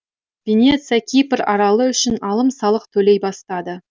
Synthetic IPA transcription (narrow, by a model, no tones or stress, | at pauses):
vʲe̞nʲe̞t̪sɨjakʲʰijpəɾɑɾɑlˠəʏʃɪnɑlˠəmsɑlˠəq̚t̪ʰɵle̞jbɑst̪ɑd̪ə